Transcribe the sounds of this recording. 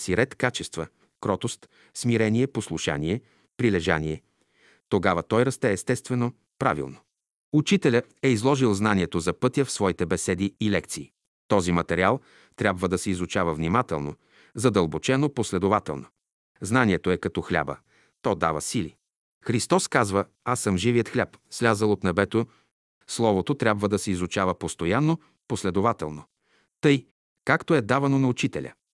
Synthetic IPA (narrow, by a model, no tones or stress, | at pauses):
siɾɛt̪kat͡ʃɛst̪və | kɾɔt̪ost̪ | smiɾɛniɛposlˠuʃa̰niɛ | pɾilɛʒa̰niɛ | t̪oɡavət̪ɔjɾɐst̪ɛːst̪ɛst̪vɛno | pɾa̰vḭlˠno | ut͡ʃit̪ɛlʲəɛizlˠɔʒilˠznaniɛt̪ozɐpɤt̪jəfsvɔit̪ɛbɛsɛd̪iːlɛkt̪siː | t̪ɔzimɐt̪ɛɾialˠ | t̪ɾʲabvəd̪ɐsɛizʊt͡ʃavəvnimat̪ɛ̰lˠno | zɐd̪əlˠbot͡ʃɛnoposlɛd̪ovat̪ɛ̰lˠno | znaniɛt̪oɛkɐt̪ɔxlʲa̰bə̰ | t̪ɔd̪a̰vəsilḭ | xɾist̪ɔskazvə | asəmʒiviət̪xlʲapslʲazəlˠot̪nɛbɛt̪o | slˠɔvot̪ot̪ɾʲjabvəd̪ɐsɛizʊt͡ʃavəpost̪ojanːo | poslɛd̪ovat̪ɛlˠno | t̪ɤj | kakt̪oɛd̪avɐnonɐut͡ʃit̪ɛlʲə̰